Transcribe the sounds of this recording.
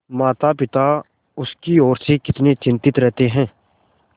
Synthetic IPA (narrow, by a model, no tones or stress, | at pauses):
maːt̪apɪt̪a | ʊskiɔːɾsekɪt̪net͡ʃɪ̃nt̪ɪt̪ɾɛɦt̪eɦɛ̃ː